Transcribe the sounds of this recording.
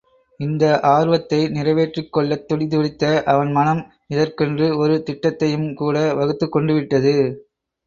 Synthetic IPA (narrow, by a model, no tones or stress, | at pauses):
ɪnd̪ɐʔaːɾʋɐt̪ːɐɪnɪrɐʋeːʈrɪkːɔɭːɐt̪ːʊɽɪðʊɽɪt̪ːɐʔɐʋɐnmɐnɐm | ɪðɐrkɛndrɯɔɾɯt̪ɪʈːɐt̪ːɐjɯmkuːɽɐʋɐɣɯt̪ːɯkːɔɳɖɯʋɪʈːɐðɯ